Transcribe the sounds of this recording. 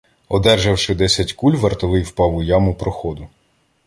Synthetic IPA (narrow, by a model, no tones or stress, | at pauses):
ɔd̪ɛrʒɐwʃɪd̪ɛsʲɐtʲkulʲʋɐrt̪ɔlˠɪjwpɑwʊjɑmʊpɾɔxɔd̪ʊ